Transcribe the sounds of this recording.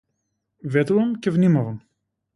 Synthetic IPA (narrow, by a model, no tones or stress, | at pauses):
vet̪uɐmcevnimɐvɐm